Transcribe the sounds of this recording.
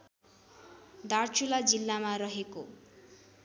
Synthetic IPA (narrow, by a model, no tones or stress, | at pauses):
d̪art͡ʃulad͡zilːamaɾʌɦeko